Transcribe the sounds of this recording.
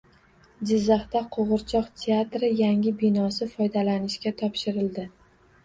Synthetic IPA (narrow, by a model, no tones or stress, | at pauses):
d͡ʒɪzːɑχt̪aqʰoʁɨɾt͡ʃʰɒqt̪ʰe̞at̪ɾɪjaŋʲɪbɪnɒsɪfɒjd̪alanɪʃkʲat̪ʰɒpʃɪɾɪld̪ɪ